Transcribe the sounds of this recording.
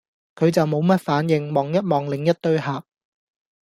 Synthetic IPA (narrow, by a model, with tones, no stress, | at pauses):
kʰɵ˨˧ɥt͡sɐ˨wmo˨˧wmɐ˥t̚faː˨˥njɪ˨ŋmɔː˨ŋjɐ˥t̚mɔː˨ŋlɪ˨ŋjɐ˥t̚t̪ɵ˥ɥɦaː˨˩p̚